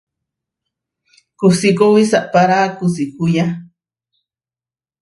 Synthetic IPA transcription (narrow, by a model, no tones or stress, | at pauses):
kʊsikowisaʔpaɾaːkʊsikʊja